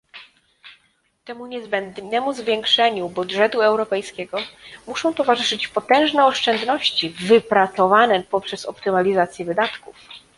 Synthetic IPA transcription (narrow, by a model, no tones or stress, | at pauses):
t̪ɛmuɲɛzbɛnd̪nɛmuzvʲjɛŋkʂɛɲubudʐɛt̪uɛwɾɔpɛjskʲɛɡɔmuʂɔ̃w̃t̪ɔvaʐɘʂɘt͡ɕpɔt̪ɛ̃w̃ʐnɛɔʂt͡ʂɛnd̪nɔɕt͡ɕivɘpɾat̪sɔvanɛpɔpʂɛsɔpt̪ɘmalʲizat̪sʲjɛvɘd̪at̪kuf